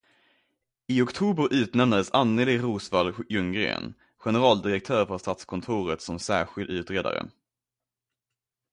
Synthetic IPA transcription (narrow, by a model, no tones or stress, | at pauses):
ɪɔkt̪ʰuːbəɾʔʉ̟ːt̪nɛmnad̪əsanːəlɪɾuːsvaljɵŋɡɾḛːn | ɧɛnɛɾɑːld̪ɪɾɛk̚t̪ʰœːɾfœʂt̪aːt̪skʰɔnt̪ʰʊːɾət̪sɔmsæːɾɧɪld̪ʉ̟ːt̪ɾeːd̪a̰ɾə̰